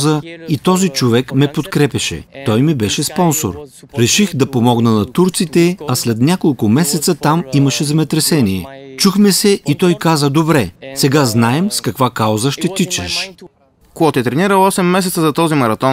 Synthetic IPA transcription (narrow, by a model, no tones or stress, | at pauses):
zəit̪ɔzit͡ʃovɛkmɛpot̪kɾɛpʲɐʃɛ̰t̪ɔjmibɛʃɛspɔnso̰ɾɾɛʃixd̪ɐpomɔɡnənɐt̪uɾt̪sit̪ɛɐslɛt̪nʲakolˠkʊmɛsɛt̪sət̪amiməʃɛzɛmɛt̪ɾɛsɛniɛ̰t͡ʃuxmɛsɛʔit̪ɔjkazəd̪obɾɛsɛɡaznaɛmskɐkvakawzəʃt̪ɛt̪it͡ʃɛʃ | koɡɔt̪ɛt̪ɾɛniɾəlˠɔsɛmːɛs̬ɛt̪səzɐt̪ɔzimɐɾɐt̪ɔn